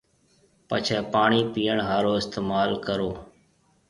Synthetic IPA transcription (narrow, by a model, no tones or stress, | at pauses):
pət͡ʃʰɛːpaːɳiːpiːəɳɦaːɾoːɪst̪eːmaːlkəɾoː